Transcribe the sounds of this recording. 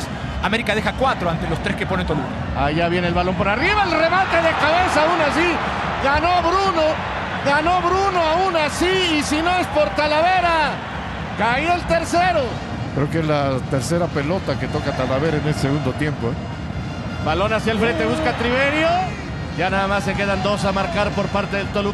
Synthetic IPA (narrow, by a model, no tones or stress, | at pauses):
ameɾikaðexakwat̪ɾoant̪elo̞st̪ɾeske̞po̞nent̪olumo | aʝaβje̞nelβalo̞mpeɾoariβaelre̞mat̪e̞ðe̞kaβe̞saunas̬i | ɡano̞βɾuno | ɡano̞βɾunoaunasiisino̞e̞spo̞ɾt̪alaβe̞ɾa | kaielt̪e̞ɾseɾo | kɾeokeezlat̪e̞ɾse̞ɾape̞lo̞t̪ake̞t̪o̞kat̪alaβe̞ɾaenelseɣund̪o̞t̪je̞mpoe | balo̞nasjelfɾe̞nt̪e̞βuskat̪ɾiβeɾjo | ʝanaðamasːe̞ke̞ðand̪o̞samaɾkaɾpo̞ɾpaɾt̪eðelt̪olu